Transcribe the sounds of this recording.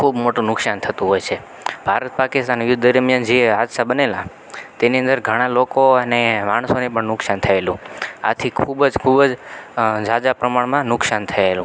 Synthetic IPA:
kʰubmoʈũnʊksant̪ʰət̪ũɦojt͡ʃʰe | bʱaɾət̪̚pakist̪anjʊd̪dəɾmjand͡ʒead̪ʃabənela | t̪eniə̃nd̪əɾɡʱəɽ̃alokoənemaɳ̃sonipəɳnʊksant̪ʰəelũa̰t̪ʰikʰubd͡ʒkʰubəd͡ʒd͡ʒad͡ʒapɾəmaɳmãnʊksant̪ʰəelũ

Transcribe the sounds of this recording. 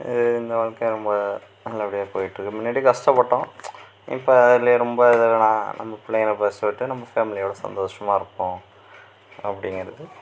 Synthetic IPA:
ɪ̰ðɯɪnd̪ɐʋɐɭkɐjɾɔmbɐ | nɐlːɐːpːɐɽɪjaːpoːjɪʈːɾɯkːɯmɪnːaːɽikɐsʈɐpːɐʈːõ | ɪ̰pːoːɐðɪljeɾɔmbɐɪðɐnãːnʔɐ̰mːɐpɪɭːɐɐnɐpeːsɐʈːɯnɐmbɐfaːmɪlɪjoːɽɐsɐ̰nd̪oːʂɐmaːɪɾɯpːõː | ɐpːɐɽɪŋɡɾɐðɯ

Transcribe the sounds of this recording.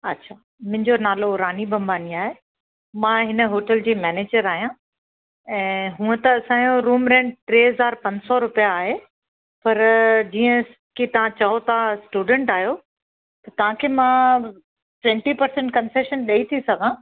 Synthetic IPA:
ɐtːɕʰaː | mʊ̃ɦɪ̃ɲd͡ʑonaːloɾaːnibʱɐ̃mbʱaːniaːɦe | mãɦɪnə̆ɦoːʈəld͡ʑiːmɛːneːd͡ʑəɾaːɦijã | ɛ̃ːɦũːə̃t̪ɐːsãːjoɾuːmɾẽːɳɖ̚ʈɾeːɦɐzaːɾpɐ̃ɲd͡ʑsɔɾʊpijaːɦe | pɐɾd͡ʑiːə̃ | kit̪ɐʋ̤ãt͡ɕɐɦot̪asʈuːɖə̃ɳʈaːɦijo | t̪ɐt̪ɐʋ̤ãkʰeːmã | ʈʋɛ̃ɳʈipɐɾsẽɳʈ̚kɐ̃nseːʃənɗɐit̪ʰisɐɡʱãː

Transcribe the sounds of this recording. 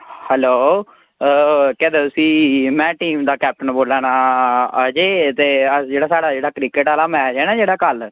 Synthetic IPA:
hɛloː | kɛ̃ːd̪eːt̪ʊsiːmɛ̃ːʈiːmd̪aːkɛːp̚ʈənboːlãːnaːəd͡ʒeːt̪eːəd͡ʒeːɽaːsaːɽaːd͡ʒeːɽaːkɾiːkəʈaːlaːmɛ̃ːd͡ʒeːnãːd͡ʒeːɽaːkəl

